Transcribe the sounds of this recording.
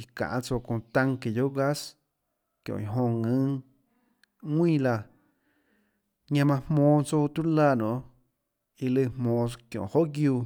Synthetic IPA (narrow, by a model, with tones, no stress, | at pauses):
i˧kã̰˨ʔã˧t͡so˧kõ˧˨t̪ã˧ŋke˨jo˦ɡa˦s | kjõ̰˨i˨ɦõ˧ŋɨ̃˦ŋ | ŋwĩː˦la˧ | ɲã˧mã˧hmõː˧˦t͡so˧t̪u˦laː˧˨nõ̰˨ | i˧lɨ˧˨hmõː˧kjõ̰˨ho˦ʔɡjuː˧